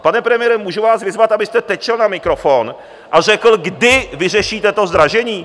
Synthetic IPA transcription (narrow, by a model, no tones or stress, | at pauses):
panɛpɾɛmɪjɛɾɛmuːʒuvaːsvɪzvat̪abɪst̪ɛt̪ɛt͡ʃɛlnamɪkɾofon | ʔar̝ɛkl̩ɡdɪvɪrɛʃiːt̪ɛt̪o̞zd̪ɾaʒɛɲiː